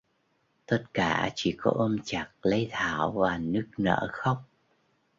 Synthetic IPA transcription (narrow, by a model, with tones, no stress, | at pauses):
t̪ə˦˥t̚kaː˧˩t͡ɕi˧˩kɔ̰˨˦ʔəː˧mt͡ɕa˨˩k̚lə˨˦jt̪ʰaː˧˩wvaː˨˩nɨ˦˥ək̚nə̰ː˧˥xə˦˥wŋ͡m̚